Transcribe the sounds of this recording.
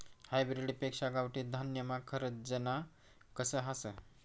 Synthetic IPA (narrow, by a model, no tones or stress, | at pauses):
hajbɾiɽipeksaɡawʈid̪ʱənjəmakʰəɾəd̪d͡ʒəna | kəsəɦasə